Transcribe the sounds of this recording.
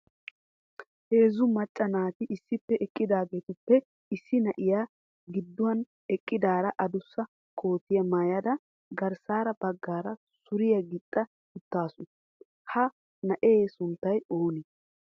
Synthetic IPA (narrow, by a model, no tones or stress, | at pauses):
he̞ːzʊmɐt͡ʃʼːɐnaːt̪ɪʔɪsːɪpːɛʔɛkʼːɪd̪aːɡe̞ːt̪ɪpːɛ | ɪsːɪnɐʔɪjaː | ɡɪd̪ːʊwɐn | ɛkʼːɪd̪aːɾɐʔɐd̪ʊsːɐ | kʰo̞ːt̪ɪjɐmaːjɐd̪ɐ | ɡɐɾsaːɾɐb̥ɐɡːaːɾɐ | sʊɾɪjɐɡɪt̪ʼːɐ | ʊt̪ːaːsʊn | hɐ | nɐʔeːsʊnt̪ːɐjo̞ːnɪ